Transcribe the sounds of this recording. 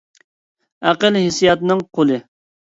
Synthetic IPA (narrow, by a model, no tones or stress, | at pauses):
æqəlɦɪsijɑt̪nɨŋqʰolˠɨ